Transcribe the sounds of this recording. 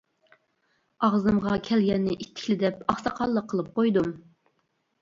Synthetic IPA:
ɑʁzɨmʁɑkʲʰɛlɡʲɛnːɪʔit̪ʰːɪ̥kʲlɪd̪ɛpɑχsɑqʰɑlˠːəqʰːəlˠɨp̚qʰojd̪um

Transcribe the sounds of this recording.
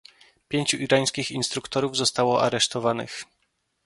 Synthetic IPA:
pʲjeɲt͡ɕuʔiɾaj̃skʲixinst̪ɾukt̪ɔɾuvzɔst̪awɔʔa̰ɾɛʂt̪ɔvanɘ̰x

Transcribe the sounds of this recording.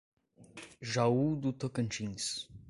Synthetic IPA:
ʒaud̪ut̪əkənt͡ʃiŋs

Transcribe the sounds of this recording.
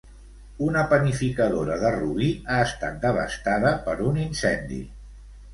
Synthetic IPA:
unəpənifikəðoɾəðəruβiaəst̪a̰t̪̚d̪əβ̞ə̰st̪aðəpəɾuninsɛnd̪ḭ

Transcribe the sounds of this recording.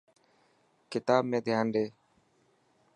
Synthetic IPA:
kɪt̪aːbmẽːd̪ʱjaːnɗeː

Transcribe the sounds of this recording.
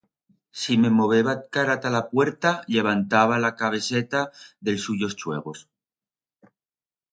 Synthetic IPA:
sime̞mo̞β̞e̞βat̪̚kaɾat̪alapwe̞ɾt̪aʎe̞β̞ant̪aβalakaβ̞e̞se̞t̪aðe̞lsuʝo̞st͡ʃwe̞̰ɣ̞o̞s

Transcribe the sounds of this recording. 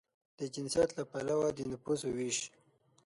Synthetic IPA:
d̪̥əd͡ʒɪnsjat̪lapalawad̪ənapuzowiʃ

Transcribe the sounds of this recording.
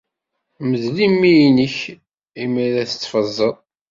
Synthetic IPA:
məðlimːijnəç | imiɾæθə̥t͡sːfəzˤːəðˤ

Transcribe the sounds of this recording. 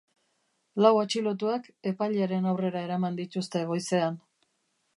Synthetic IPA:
lawat͡ʃilo̞t̪̬uake̞paʎaɾe̞nawre̞ɾae̞ɾamand̪it̪ust̪e̞ɣ̞o̞jse̞an

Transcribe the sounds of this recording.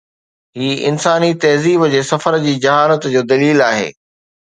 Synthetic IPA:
ɦiːɪ̰nsaːnit̪ɐɦziːbd͡ʑeːsɐfəɾd͡ʑiːd͡ʑɐɦaːlət̪d͡ʑoːd̪ɐliːlaːɦḛː

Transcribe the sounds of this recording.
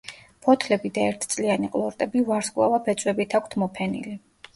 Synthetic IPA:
pʰɔt̪ʰlɛbid̪aɛɾt̪ʰt̪sʼlianiqʼlˠɔɾt̪ʼɛbivaɾskʼwlˠa̰vapʰɛt̪sʼwɛbit̪ʰakʷʰt̪ʰmɔpʰɛnḭli

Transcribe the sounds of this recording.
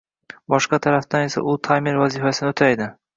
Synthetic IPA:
bɒʃqɑt̪ʰaɾaft̪ane̞sa̰ʔʊlˠt̪ʰajmeɾvazifasɪnɪot̪ʰajd̪ɪ

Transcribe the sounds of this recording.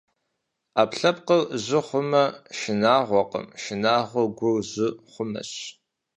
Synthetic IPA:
aːpɬɐp̚qərʑɪχʷʊmɐʃɪnaːʁʷɔqə̰mʃɪnaːʁʷʊɡʷʊrʑɪχʷʊmɐ̰ɕ

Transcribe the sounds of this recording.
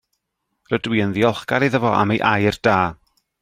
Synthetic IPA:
rədwiːənðiɔlˠχɡ̥aɾiðəvɔʔa̰mejʔajrd̥aː

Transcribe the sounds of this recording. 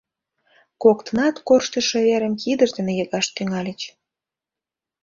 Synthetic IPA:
kokt̪nɑt̪korʃt̪ə̆ʃeβeɾəmkid̪əʒd̪enejəɣɑʃt̪yŋɑlʲət͡ɕ

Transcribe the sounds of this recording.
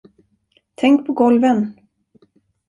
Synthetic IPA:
t̪ʰɛŋk̚pʰɔɡɔlvən

